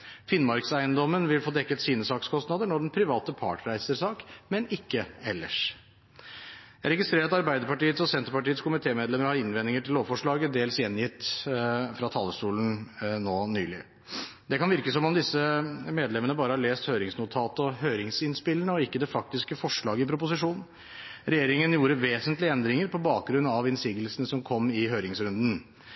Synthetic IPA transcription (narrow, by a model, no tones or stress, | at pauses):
fɪnːmɑɾksæɪənd̪ɔmːənʋɪlfoːd̪ɛkːət̪siːnəsɑːkskʰɔst̪nɑd̪əɳɔɖɛnpʰɾɪʋɑːt̪əpʰɑ̰ːʈɾæɪsəɾsɑːkmɛnɪkːəɛlːə̰ʂ | jæɾɛɡɪst̪ɾeːɾt̪ɑɾbæɪd̪əɾpɑʈiːət̪sɔsɛnt̪əɾpɑʈiːət̪skʰʊmɪt̪ʰeːmeːd̪lɛməɾhɑɪnʋɛnːɪŋəʈɪllːoːʋfɔʂɭɑːɡəd̪eːlsjɛnːjɪt̪ː | fɾɑt̪ʰɑlːəʂʈuːlən̩noːnyːlɪ | d̪ɛkɑnʋɪɾkəsɔmɔmd̪ɪsəmeːd̪lɛmənəbɑːɾəhɑɭeːst̪høːɾɪŋsnʊt̪ʰɑːt̪əɔɦøːɾɪŋsɪnspɪlːəɳəɔɪkːəd̪ɛfɑk̚t̪ɪskəfɔʂɭɑːɡəɪpʰɾʊp̬ʊsɪʂuːnn̩ | ɾɛjeːɾɪŋənjuːɾəʋeːsənt̪lɪɛnd̪ɾɪŋəɾpʰɔbɑːk̚ɡɾʉnːɑʋɪnsiːɡəlsnəsɔmkʰɔmːɪɦøːɾɪŋsɾʉnd̪n̩